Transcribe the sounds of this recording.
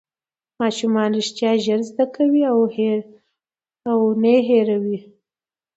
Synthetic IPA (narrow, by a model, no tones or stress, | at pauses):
mɑʃumɑnɾiʃt̪jɑʒəɾzd̪akawiah | awneɦeɾawi